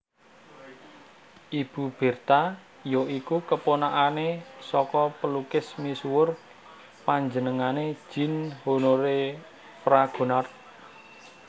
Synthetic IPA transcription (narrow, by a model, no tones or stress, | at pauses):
ʔib̥ṳb̥e̤rt̪a | joikukəponaʔanesɔkɔpəlukɪsmisuwʊr | paɲd͡ʒənəŋane̥ʒ̥i̤nhonoɾe | pɾaɡ̥o̤nar